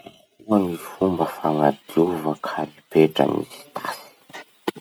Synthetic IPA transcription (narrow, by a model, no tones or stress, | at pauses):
uaŋifumbəfaŋad̪uvəkʰaɾipeʈ͡ʂə̰nḭzi̥t̪ʰasi̥